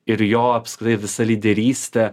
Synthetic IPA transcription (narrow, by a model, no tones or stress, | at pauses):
ɪɾjoːɐpskɾɪt̪ɐɪʋʲɪsɐlʲid̪ʲɛɾʲiːsʲt̪ʲɛ